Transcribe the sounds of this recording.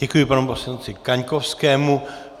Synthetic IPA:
ɛkujɪpanmposlɛnot͡sɪkaɲkofskɛːmu

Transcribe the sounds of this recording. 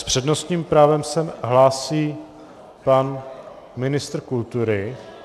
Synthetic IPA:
spr̥ɛdnost̪ɲiːmpɾaːvɛmsɛmɦlaːsiː | pan | mɪnɪst̪ɾ̩kult̪uɾɪ

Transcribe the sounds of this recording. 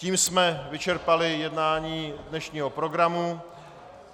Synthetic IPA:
ciːmsmɛvɪt͡ʃɛɾpalɪjɛdnaːɲiːdnɛʃɲiːɦo̞pɾo̞ɡɾamu

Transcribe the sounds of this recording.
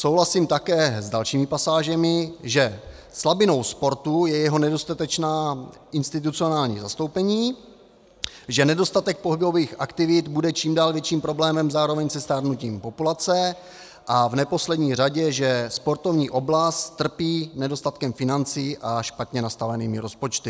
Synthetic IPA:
sowɦlasiːmt̪akɛːzdalʃiːmɪpasaːʒɛmɪʒɛ | slabɪno̞wspo̞ɾt̪ujɛjɛɦo̞nɛdo̞st̪at̪ɛt͡ʃnaː | ʔɪnst̪ɪt̪̬ut͡sio̞naːlɲḭːzast̪owpɛɲiː | ʒɛnɛdo̞st̪at̪ɛk̚po̞ɦɪbo̞viːxʔakt̪ɪvɪt̪budɛt͡ʃiːmdaːlvjɛt͡ʃiːmpɾo̞blɛːmɛmzaːɾo̞vɛɲsɛst̪aːɾnuciːmpo̞pulat͡sɛ | ʔavnɛpo̞slɛdɲiːr̝aɟɛʒɛspo̞ɾt̪o̞vɲiːʔo̞blast̪ːr̩piːnɛdo̞st̪at̪kɛmfɪnant͡sɪʔaʃpat̪ɲɛnast̪avɛniːmɪɾo̞spo̞t͡ʃt̪ɪ

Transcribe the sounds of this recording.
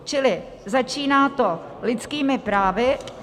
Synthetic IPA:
t͡ʃɪlɪ | zat͡ʃiːnaːt̪o̞ | lɪt͡skiːmɪpɾaːvɪ

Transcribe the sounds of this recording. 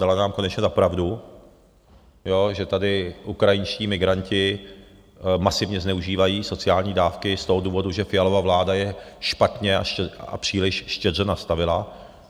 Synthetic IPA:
dalanaːmko̞nɛt͡ʃɲɛzapɾavdu | jo̞ʒɛt̪adɪʔukɾajɪnʃciːmɪɡɾancɪ | masɪvɲɛznɛuʒiːvajiːso̞t͡sɪaːlɲiːdaːfkɪst̪o̞ɦoduːvo̞duʒɛfɪjalo̞vavlaːdajɛʃpat̪ɲɛa̰ʃɛa̰pr̥iːlɪʃʃcɛrɛnast̪avɪla

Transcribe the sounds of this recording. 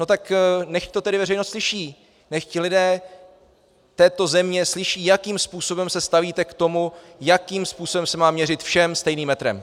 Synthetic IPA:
no̞t̪aknɛxct̪ot̪ɛdɪvɛɾɛjnost̪slɪʃiː | nɛxcɪlɪdɛː | t̪ɛːt̪o̞zɛmɲɛslɪʃiːjakiːmspuːso̞bɛmsɛst̪aviːt̪ɛkt̪o̞mu | jakiːmspuːso̞bɛmsɛmaːmɲɛɾɪt̪fʃɛmst̪ɛjniːmːɛt̪ɾɛ̰m

